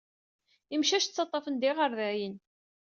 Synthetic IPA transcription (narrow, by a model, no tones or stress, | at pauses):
imʃæʃt͡sːɑt̪ˤːɑfənd̪iʁəɾðæjən